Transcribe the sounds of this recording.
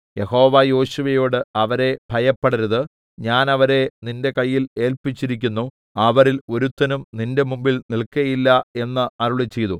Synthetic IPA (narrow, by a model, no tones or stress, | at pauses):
je̞ɦo̞ːʋɐjo̞ːɕuʋɐjo̞ːɽɨɐʋɐɾe̞b̥ʱɐjɐpːeɽɐɾɐðɨ | ɲaːnɐʋɐɾe̞ninde̞kɐjːile̞ːlpit͡ɕːiɾik̬ʲːunːu | ɐʋɐɾilo̞ɾut̪ːɐnumninde̞mumbilnilkɐjilːɐe̞nːɐɐɾuɭet͡ɕːe̞jðu